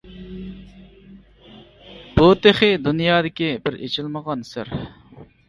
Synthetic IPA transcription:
b̥ut̪ʰeχɪd̪unjɑːd̪ɪkʲibɪɾḛt͡ʃʰilməʁɑnsɪɾ

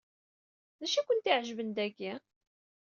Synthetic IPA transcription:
ðæʃækʷʊnt̪iʕʒvənd̪æɡi

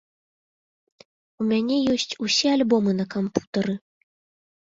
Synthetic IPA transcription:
umʲanʲɛjɔsʲt͡sʲusʲɛalʲbɔmɨnɐkampu̥t̪ɐɾɨ

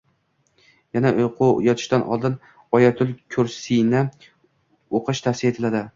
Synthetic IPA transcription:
janaqʰʊjɒt̪ʰɪ̥ʃt̪anʔɒ̰lˠd̪ɪn | ɒjat̪ʰʊlˠkʲʰɵɾsinɪ | oqʰɨʃt̪ʰafsɪje̞t̪ʰɪlad̪ɪ

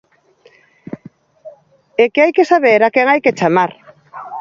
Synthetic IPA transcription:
ekeajkesaβeɾakɛŋajket͡ʃamaɾ

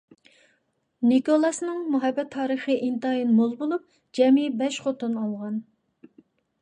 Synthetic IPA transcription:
nikolˠɑsnɨŋmuɦɑbːɛt̪ʰːɑːɾəχəʔint̪ɑjinmolˠbolˠup̚ | d͡ʒɛmibɛʃχot̪unɑlˠʁɑn

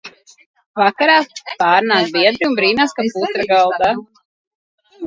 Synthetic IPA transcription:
vakaɾaːpaːɾnaːsbiɛd̪ɾiunbɾiːnaːskaput̪ɾaɡalˠd̪a

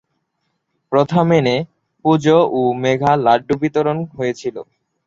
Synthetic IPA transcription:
pɾot̪ʰamene | pud͡ʑoʔomeɡʱalaɖːubit̪oɾonɦojet͡ɕʰilo̰

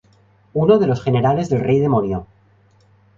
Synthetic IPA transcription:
uno̞ðe̞lo̞sχe̞ne̞ɾale̞zðe̞lrʔe̞jðemonjo

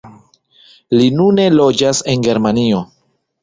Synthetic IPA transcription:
linune̞lo̞d͡ʒase̞nɡe̞ɾmanio̞

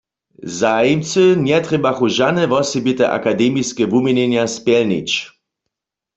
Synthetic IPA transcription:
zajimt͡sɨnjɛt̪ʁɛbaxuʒanɛvɔsɛbit̪ɛʔa̰kad̪ɛmiskɛvumɛnɛnjaspjɛlnḭt͡ɕ

